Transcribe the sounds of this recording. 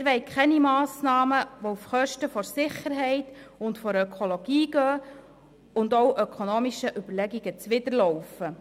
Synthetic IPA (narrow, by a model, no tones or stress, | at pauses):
ɾʋɛɪkʰɛnimɑːsnɑːməʋɔufχœʃtəfɔɾsɪχəɾɦɛɪtʊntfɔɾøkʰolɔɡ̥iːɡ̥œː | ʊndɔwʔœkʰonoːmiʃəʔyb̥əɾlɛɡiɡət͡sʋɪdəɾlɔwfə